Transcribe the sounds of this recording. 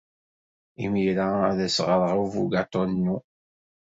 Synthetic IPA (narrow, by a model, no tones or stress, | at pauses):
imiɾaæðæsʁəɾˤʁavuɡat̪ˤonnːu